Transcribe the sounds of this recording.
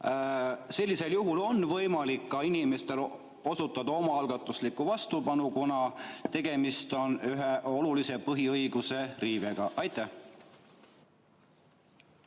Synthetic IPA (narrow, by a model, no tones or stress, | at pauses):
se̞lʲːise̞ljuɦulo̞nːvɤjmɑlikːɑinime̞st̪e̞l | o̞sut̪ːˑɑd̪ɑo̞mɑɑlɡ̥ɑt̪ːˑuslikːuvɑst̪upɑnukunɑt̪e̞ɡ̥e̞mist̪o̞nyɦeʔo̞lulise̞pɤɦiɤjɡ̥use̞riːveɡ̥ɑʔɑjt̪ːæh